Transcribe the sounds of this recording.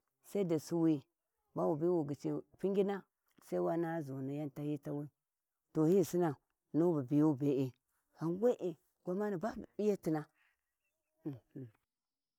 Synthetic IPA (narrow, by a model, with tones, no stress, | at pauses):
sa˦i˦da˨su˦wi˦ | ba˦wu˨bi˦wu˨ɡi˨t͡ʃi˨pi˦ŋɡʲi˦na˦ | sa˦i˦wa˦na˦zo˨ni˨ja˦n˨ta˦hi˦ta˦wi˦ | to˨hi˦˨si˦na˨ | no˦ba˨bi˨jo˦be˨e˨ | a˨nwe˦ʔe˨ | ɡʷa˨ma˦ni˨ba˦˨bi˦ja˦ti˨na˦˨